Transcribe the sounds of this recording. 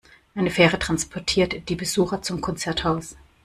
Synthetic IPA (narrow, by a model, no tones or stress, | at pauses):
ʔaɪnəfɛːʁətʁ̥anspʰɔɐtʰiːɐtd̥iːbəzuːxɐt͡sʊmkʰɔnt͡sɛɐthaʊs